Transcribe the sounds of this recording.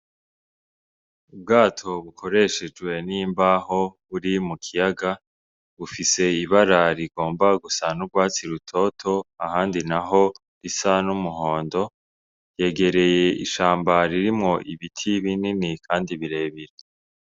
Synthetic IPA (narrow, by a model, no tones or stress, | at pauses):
ub̚ɡaːtʰo̞βukʰo̞ɾe̞ʃed͡ʒɡwe̞niːmbaɦo̞βuɾimukʰijaɡa | βufise̞iβaɾaɾiɡo̞ːmbaɡusanuɾɡwaːt͡siɾutʰo̞tʰo̞ahaːndinaɦo̞ | ɾisanumuɦo̞ːndo̞ | je̞ɡe̞ɾe̞je̞iʃaːmbaɾiɾimŋo̞ʔiβitʰiβininikʰaːndiβiɾe̞ːβiɾe